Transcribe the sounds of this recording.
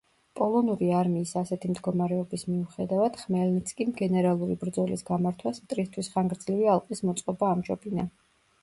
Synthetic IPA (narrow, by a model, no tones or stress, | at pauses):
pʼɔlˠɔnuɾiaɾmiːsasɛt̪ʰimd̪ɡɔmaɾɛɔbismiuχɛd̪avad̪̥χmɛlnit̪sʰkʼimɡɛnɛɾalˠuɾibɾd̪zɔlḭsɡamaɾt̪ʰwasmt̪ʼɾist̪ʰwisχaŋɡɾd̪z̥livialˠqʼismɔt̪sʼqʼɔbaːmʒɔbina